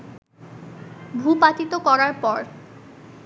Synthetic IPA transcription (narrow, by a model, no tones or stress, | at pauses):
bʱupat̪it̪okɔɾaɾpɔɾ